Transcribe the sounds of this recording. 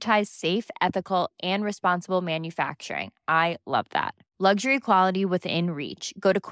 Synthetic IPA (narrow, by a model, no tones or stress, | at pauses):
tʰaɪz̥seɪfɛθɨkl̩ˠʔɨ̃nɹɨspɑ̃nsəbl̩ˠmæ̃njɨfæ̰k̚t͡ʃə̰˞ɪ̰̃ŋʔaɪlʌ̰vðæ̰t̚ | lʌɡʒə˞ikʰw̥ɑlˠəɾiwɨθɪ̰̃nɹḭt͡ʃɡ̥oʊɾɨkʰ